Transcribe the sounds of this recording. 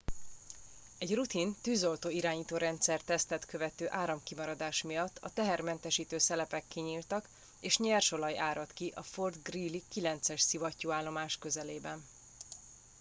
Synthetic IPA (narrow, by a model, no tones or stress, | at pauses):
ɛɟrut̪int̪yːzo̞lt̪oːiɾaːɲiːt̪oːɾɛnt̪sɛrt̪ɛst̪ɛt̪kø̞vɛt̪øːʔaːɾɒmkimɒɾɒd̪aːʃmijɒt̪ːɒt̪ɛɦɛrmɛnt̪ɛʃiːt̪øːsɛlɛpɛkːiɲiːlt̪ɒk | eːʃɲɛrʃo̞lɒjʔaːɾɒt̪kiʔɒford̪ɡriːlikilɛnt̪sɛʃsivɒcːoːaːlːo̞maːʃkø̞zɛleːbɛn